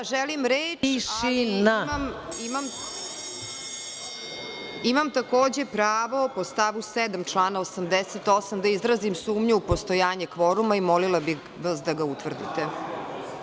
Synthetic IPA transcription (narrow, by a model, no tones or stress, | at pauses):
aʒɛlimɾeːiʃinaamimam | imamt̪ako̞ːd͡ʑe̞pɾaːʋo̞post̪aʋused̪amt͡ʃlˠaːnaosamd̪eset̪osamd̪aizɾazimsuːmɲuupost̪o̞jaːɲekʋoɾumaimolilˠabi | ʋasd̪aɡaut̪ʋr̩d̪ḭt̪e